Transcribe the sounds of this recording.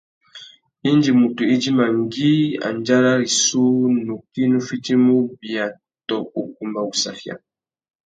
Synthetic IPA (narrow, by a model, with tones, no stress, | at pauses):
i˦nd͡ʒi˨mu˨tu˨i˦d͡ʒi˦ma˨ŋ˦ɡi˦a̰˨nd͡ʒa˦ɾa˦ɾi˨su˦nu˨ki˦nu˦fi˦ti˦mu˦bi˨a˨ | tɔ˨u˨k̚u˨mba˨u˨sa̰˨fja̰˨